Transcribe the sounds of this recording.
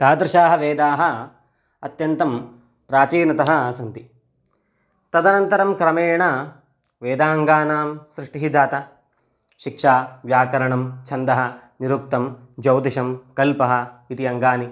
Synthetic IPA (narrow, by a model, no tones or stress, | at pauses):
t̪aːd̪ɾɪʃaːɦɐʋeːd̪aːɦɐ | ɐt̪jɐnt̪ɐm | pɾaːt͡ʃiːnɐt̪ɐɦɐ̆sɐnt̪i | t̪ɐd̪ɐnɐnt̪ɐɾɐmkɾɐmeːɳɐ | ʋeːd̪aːŋɡaːnaːmsɾɪʂʈiɦid͡ʒaːt̪ɐ | ʃikʂaːʋjaːkɐɾɐɳɐmt͡ʃʰɐnd̪ɐɦɐ̆niɾuk̚t̪ɐm | d͡ʒɐwd̪iʃɐmkɐlpɐɦɐ̆it̪iɐŋɡaːni